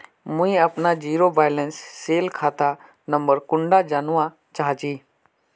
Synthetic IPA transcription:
mũĩɐpnad͡ʑiːɾobaːjlensːeːlkʰaːt̪a | nɐmbəɾkʊɳɖad͡ʒaːnʊʋã | t͡ʃaːɦat͡ʃiː

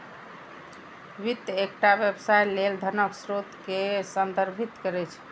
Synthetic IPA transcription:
ʋit̪ːek̚ʈabjebsajleld̪ʱənəksɾot̪kesənd̪əɾbʱit̪kəɾɛt͡ʃʰ

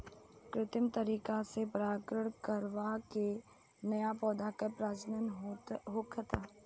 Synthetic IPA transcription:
kɾɪt̪ɪmt̪əɾiːkasepɾaːkɾəɽ̃kəɾʋake | nɐjapɔːd̪ʱakəɾpɾaːd͡ʒnənɦoːkʰət̪aː

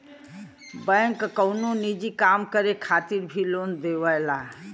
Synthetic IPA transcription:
bə̃ŋkkəwnonid͡ʒikaːmkəɾekʰaːt̪iɾbʱiloːnd̪eʋəjla

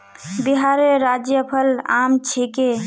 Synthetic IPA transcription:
biɦaɾeɾad͡ʒjəpʰəla̰mt͡ʃʰike

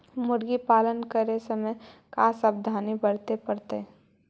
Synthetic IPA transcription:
mʊɾɡipaːlənkəɾesəməjkaːsabd̪ʱaːnibəɽt̪epəɾt̪e

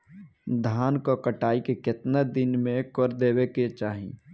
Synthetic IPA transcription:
d̪ʱaːnkokəʈaːikekɪt̪nad̪ɪnmẽkəɾd̪eːweket͡ʃaːɦḭ̃

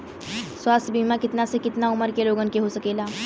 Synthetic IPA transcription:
swast̪ʰbimakɪt̪nasekɪt̪nauməɾkeloːɡənkeɦosəkeːla

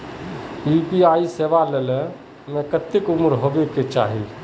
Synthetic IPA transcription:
upiaːiseːʋalələ | mẽkət̪ːɪkʊmɾɦoːbeket͡ʃa̰ːɦi

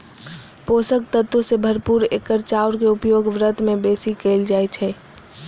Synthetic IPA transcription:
posək̚t̪ət̪osebʱəɾpuɾekːəɾt͡ʃauɾkeupjoɡʋɾət̪mẽbesikəɪld͡ʒat͡ʃʰɛ

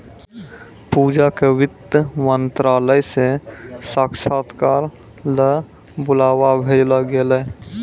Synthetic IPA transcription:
puːd͡ʒakewɪt̪əmənt̪ɾaːləjsesakʃat̪kaːɾ | lə | bʊlaːwabʱed͡ʒləɡelə

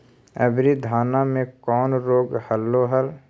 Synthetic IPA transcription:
əbɾid̪ʱaːnamẽkɔːnɾoːɡhəlːoɦəl

